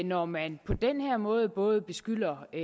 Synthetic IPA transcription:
nɒmænpʰɒ̽d̥enheɐ̰mɔ̽ːð̞̩ˠb̥ɔ̽ːð̞̩ˠb̥e̝sɡ̥yl̰ɐ

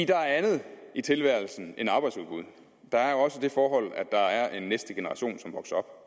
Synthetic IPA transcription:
id̥ɑ̈æɐænð̞̩ˠʔit͡sʰe̝lʋæɐ̰l̩sn̩ʔe̝nɑ̈ːb̥ɑ̈ɪd̥suðˠb̥uð̞ˠ | d̥ɑ̈æɐjo̝ɒ̽səd̥e̝fɒːɦɒ̽l̰æ̥ɑ̈æɐʔe̝nːesd̥əɡ̥e̝nəʁɑ̈ɕo̝̰ːnsɒ̽mʋɒ̽ɡ̥sɐɒ̽b̥̚

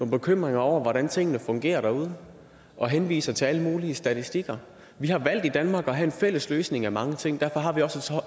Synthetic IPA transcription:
noːnb̥e̝kʰøm̰ʁeŋɐɒʊ̰ɐʋɒɾænt͡sʰe̝ŋ̰ənəfɔ̽ŋɡ̥e̝̰ːɐɾ̥ɑ̈uð̞ˠ | ʔɒ̽ɦenʋḭːsɐt͡sʰe̝æləmuːliəsd̥æt͡sʰisd̥iɡ̥ɐ | ʋihɑ̈ʋæl̰d̥id̥ænmɑ̈ːɡ̥ɒ̽ɦæe̝nfel̰əsløːsne̝ŋæmɑ̈ŋət͡sʰe̝ŋ̰d̥æɐ̰fɒ̽ɦɑ̈ʋiɒ̽sə

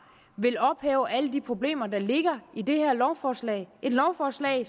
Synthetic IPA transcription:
ʋe̝lɒ̽b̥hɛ̰ːʊʔæləd̥ipʰʁo̝b̥le̝̰ːmɐd̥ɑ̈le̝ɡ̥ɐid̥e̝hæɐ̰lɒʊfɒslɛɪe̝d̥lɒʊfɒːslɛ̰ːɪ

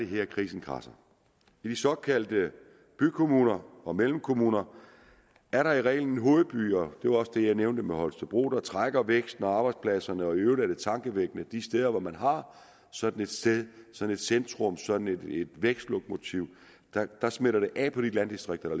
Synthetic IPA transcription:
ɾ̥eɦeɐ̰kʰʁḭːsn̩kʰʁɑ̰̈sɐ | id̥isɒ̽kʰæl̰d̥ə | b̥ykʰo̝muːnɐɒ̽melm̩kʰo̝muːnɐ | æɐɾɑ̈iʁɛ̰ːɪln̩e̝nɦo̝ːð̞̩ˠb̥y̰ːɒd̥e̝ʋɑ̈ɒ̽səd̥e̝jɑ̈ɪneʊnd̥əmeɦɒ̽lsʰeb̥ʁo̝̰ːd̥ɑ̈t͡sʰʁaɡ̥ɐʋeɡ̥sd̥n̩ɒɑ̈ːb̥ɑ̈ɪdspʰlæsɐnəɒ̽iøʊl̩æɾ̥e̝t͡sʰɑ̈ŋɡ̥əʋeɡ̥nəd̥isd̥eð̞ˠɐʋɒmænɦɑ̈ | sɒ̽d̥n̩e̝d̥sd̥eðˠsɒ̽dn̩e̝d̥send̥ʁɔ̽msɒ̽d̥n̩ede̝d̥ʋeɡ̥sd̥lɔɡ̥̚mo̝t͡sʰiʊ | d̥ɑd̥ɑ̈smeɾɐɾ̥e̝ʔɛːpʰɒ̽ɾ̥ilænd̥isd̥ʁeɡ̥̚d̥ɐɾ̥ɑ

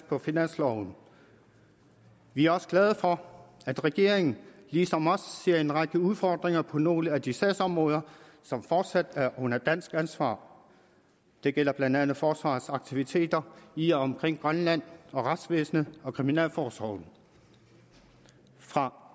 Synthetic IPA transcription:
pʰɒ̽finæn̰slɒʊn̩ | ʋiæɐɒ̽sə̥ɡ̥lɛð̞̩ˠfɒ̽æd̥ʁɛɡ̥e̝ɐ̰eŋn̩liːsɒ̽mɒ̽sse̝ɐ̰e̝nʁɑ̈ɡ̥əuðˠfɒːd̥ʁeŋɐpʰɒ̽no̝̰ːləæd̥isæ̰sɒ̽mʁɔ̽ːðˠɐ | sɒ̽mfɒːd̥sæd̥æɐʔɔ̽n̰ɐd̥æn̰sɡ̥ænsʋɑ̰̈ː | d̥e̝ɡ̥el̰ɐb̥lænd̥ænð̩ˠfɒːsʋɑ̰̈sɑ̈ɡ̥̚t͡sʰiʋit͡sʰe̝̰ːd̥ɐiæɒ̽mkʰʁeŋ̰ɡ̥ʁɶnlæn̰ɒ̽ʁɑd̥sʋḛːsnəɒ̽kʰʁiminɛ̰ːlfɒːsɒʊn̩ | fʁɑ̈

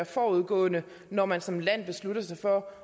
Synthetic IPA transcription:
ɐfɒːuð̞ˠɡ̥ɔ̰̽ːnə | nɒmænsɒ̽mlæn̰b̥e̝sluɾɐsɑ̈ɪfɒ̽

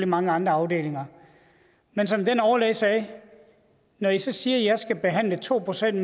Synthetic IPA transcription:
limɑ̈ŋəɑ̈nd̥ʁɐɑ̈ʊd̥e̝̰ːle̝ŋɐ | mensɒ̽md̥enɒʊɐlɛ̰ɪsɛː | nɒisɒ̽siːɐjɑ̈ɪsɡ̥æb̥e̝ɦæn̰lət͡sʰo̝̰ːpʰʁosen̰d̥m

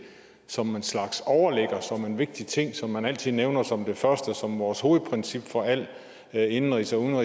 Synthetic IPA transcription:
sɒ̽me̝nslɑ̈ɡ̥sɒʊɐleɡ̥ɐsɒ̽me̝nʋe̝ɡ̥̚d̥it͡sʰe̝ŋ̰sɒ̽mːænæl̰t͡sʰið̰ˠneʊnɐsɒ̽md̥e̝fɶɐsd̥əsɒ̽mʋɒːsho̝ːð̩ˠpʰʁɛnsib̥fɒ̽æl̰ | e̝nn̩ʁḭsɒun̩ʁi

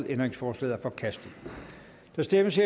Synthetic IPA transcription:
ðˠend̥ʁeŋsfɒːslɛ̰ːæɐfɒ̽kʰæsd̥ð̩ˠ | d̥ɑ̈sd̥eməshe

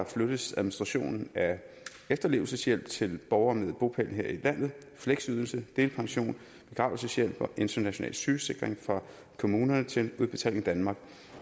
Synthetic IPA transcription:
flød̥ð̩sæðˠminisd̥ʁɑ̈ɕo̝̰ːnn̩æ | efd̥ɐle̝ʊl̩səsjel̰b̥̚t͡sʰe̝lb̥ɒʊɐmeðˠb̥o̝pʰæl̰n̩ɦeɐ̰ilæn̰ð̞̩ˠ | fleɡ̥syð̞ˠl̩səd̥e̝ːlpʰɑ̈ŋɕo̝̰ːn | b̥e̝ɡ̥ʁɑ̰̈ʊl̩səsjel̰b̥ɒ̽ʔe̝nd̥ɐnæɕo̝nɛ̰ːlsyːse̝ɡ̥ʁeŋfʁɑ̈ | kʰo̝muːnɐnət͡sʰe̝luðˠb̥e̝t͡sʰɛ̰le̝ŋd̥ænmɑ̈ːɡ̥̚

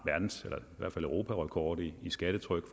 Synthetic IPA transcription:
ʋæɐd̥n̩selɐʋæ̰ɐfæləʊʁo̝̰ːpʰæʁɒkʰɒːd̥iisɡ̥æd̥ət͡sʰʁœɡ̥f

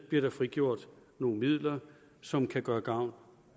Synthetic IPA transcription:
b̥liɐɾ̥ɑ̈fʁiɡ̥jo̝ɐ̰d̥ | no̝ːn̩mið̰ˠlɐ | sɒ̽mkʰæɡ̥ɶːɐɡ̥ɑ̈ʊ̰n

